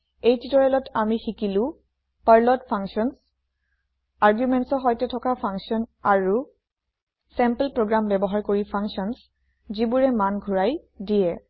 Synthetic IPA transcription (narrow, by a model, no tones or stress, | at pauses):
ejtitɔɹɛlɔtʰamixikilʊ̃ | paɹlɔtpʰaŋksiɔns | aɹɡjumɛntsɔɦɔjtɛtʰɔkapʰaŋsiɔnaɹu | sɛmpəlpɹoɡɹambɛbɔɦaɹkoɹipʰaŋksɔns | zibuɹɛmanɡʱuɹaj | dijɛ